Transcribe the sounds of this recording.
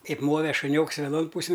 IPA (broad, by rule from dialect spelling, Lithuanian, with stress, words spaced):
ˈkɐɪp ˈmoːʋʲɛ ʃʊˈnʲoːks ʋʲɛˈnoːn ˈpuːsʲɪn